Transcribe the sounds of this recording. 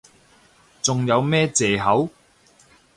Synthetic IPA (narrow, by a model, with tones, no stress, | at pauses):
t͡sʊ˨ŋjɐ˨˧wmɛː˥t͡sɛː˨ɦɐ˨˥w